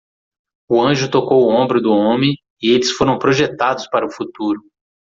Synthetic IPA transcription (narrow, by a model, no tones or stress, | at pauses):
ʊɐ̃ʒʊt̪okowʊõmbɾʊd̪ʊõmẽj | ɪelɪsfoɾɐ̃w̃pɾoʒet̪ad̪ʊspaɾɐʊfut̪uɾʊ